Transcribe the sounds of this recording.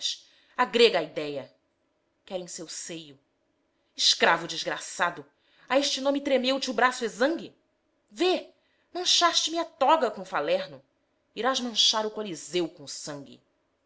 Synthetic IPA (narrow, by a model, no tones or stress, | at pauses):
ʃ | aɡɾeɡɐaid̪ɛjɐ | kɛɾẽj̃sewsejʊ | ɪʃkɾavʊd͡ʒizɡɾasad̪ʊ | aeʃt͡ʃɪnõmɪt̪ɾemewt͡ʃɪʊbɾasʊezɐ̃ŋɡʲɪ | ve | mɐ̃ʃaʃt͡ʃɪmiat̪ɔɡɐkõfalɛɾnʊ | iɾazmɐ̃ʃaɾʊkolizewkõsɐ̃ŋɡʲɪ̰